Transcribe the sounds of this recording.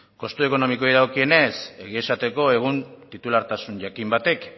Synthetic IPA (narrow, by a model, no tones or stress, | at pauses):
ko̞st̪ue̞ko̞no̞miko̞ijðawkie̞ne̞se̞ɣie̞sat̪e̞ko̞e̞ɣ̞unt̪it̪ulaɾt̪asuɲʝakimbat̪e̞k